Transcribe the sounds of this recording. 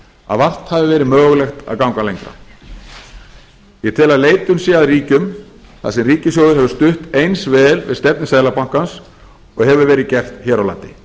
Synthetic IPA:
a̰ðvar̥t̪havɪvɛːɾɪmœːɣlɛxt̪a̰ðkawŋkalejŋkɾa̰ | jɛt̪ʰɪlaðleːjt̪ʏmsjɛaðriːcʏm | θa̰sɛmriːcɪs̬joːwðʏɾhɛvʏst̪ʏht̪ejnsvɛːðlvɪ̰ðst̪ɛp̚nɪsaːðlapawŋ̥kans | ɔɣhɛvʏɾvɛːɾɪðcɛr̥t̪çɛːɾawla̰nt̪ɪ

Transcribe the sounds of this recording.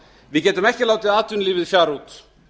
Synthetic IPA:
vɪðcɛːt̪ʏmɛhcɪlaːwt̪ɪðaːt̪ʏnliːvɪðfjaːɾut̪

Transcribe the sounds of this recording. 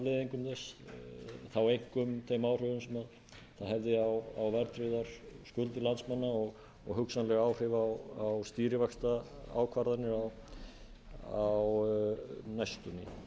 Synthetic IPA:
lɪðiŋkʏmθɛs | θawejŋ̥kʏmt̪ʰejmaːwr̥ʏvʏmsɛmað | θaðɦɛvðɪawawvɛɾt̪ɾɪðaɾ̥skʏlt̪ɪlant̪smanːaɔɣ | ɔɣɦʏksanlɛɣawr̥ʏvaawawst̪iːɾɪvakst̪aa̰ːwkʰvaɾðanːɪaw | aw | najst̪ɔnɪ̰

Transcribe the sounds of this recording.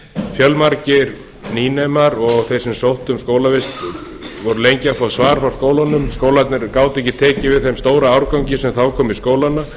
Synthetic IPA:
fjœlmaɾcɪɾ | niːnemaɾɔɣθejsɛmsowht̪ʏmskoːwlavɪst̪ | vɔɾʏlejɲcɪafɔt̪svaːɾfɾaw̥skoːwlanʏmskoːwlajt̪nɪɾkaːwt̪ɛhcɪt̪ʰɛːcɪvɪðθejmst̪oːwɾaaːwɾkawɲcɪsɛmθawkʰɔːmɪiskoːwlana

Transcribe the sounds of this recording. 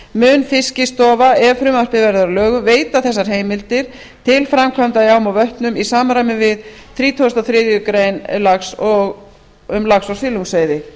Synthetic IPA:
mʏːnfɪscɪst̪ɔːvaɛvfɾʏmar̥pɪvɛɾðaɾlœːɣʏveːjt̪aθɛs̬ːaɾ̥ɦeːjmɪlt̪ɪɾ̥ | t̪ʰɪlfɾamkʰvamt̪ajawmavœht̪nʏmisaːmaɾajmɪvɪðθɾiːt̪ʰoʏst̪awθɾɪːðjʏkɾejnlaksɔɣ | ʏmlaxsɔwsɪːluŋsejðɪ

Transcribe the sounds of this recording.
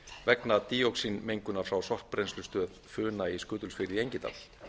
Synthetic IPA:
vɛknat̪iːowksinmejŋkʏnaɾ̥fɾawsɔr̥pɾejnslʏst̪œːðfʏːnaiskʏːt̪ʏlsfɪɾɪiejɲcɪt̪a̰l

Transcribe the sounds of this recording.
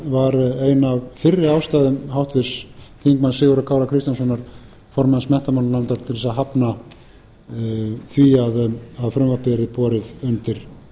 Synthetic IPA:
vaɾeːjnavfɪrːɪaːwst̪aːjðʏmhawht̪vɪɾsθiŋk̚mansɪːɣʏɾakʰaːwlakʰɾɪst̪jansɔnːaɾ̥ | fɔɾmansmɛht̪amanlant̪aɾ̥t̪ʰɪlðɛsaɦapna | θviaðaðfɾʏmvapɪɾɪpɔːɾɪðʏnt̪ɪɾ̥

